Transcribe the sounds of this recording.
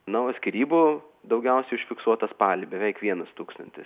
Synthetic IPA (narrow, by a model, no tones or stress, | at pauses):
nɐɐtsʲkʲɪɾʲiːbu | d̪ɐʊɡʲɛʊsʲɛɪʊʃʲfʲɪksuɔt̪ɐspɑːlʲɪbʲɛʋʲɛɪkʋʲiɛnɐst̪uːkst̪ɐnʲt̪ʲɪs